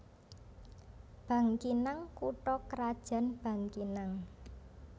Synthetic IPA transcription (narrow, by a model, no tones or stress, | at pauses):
b̥ä̤ŋkinaŋkuʈɔkəɾad̥ʒ̥a̤nb̥ä̤ŋkinaŋ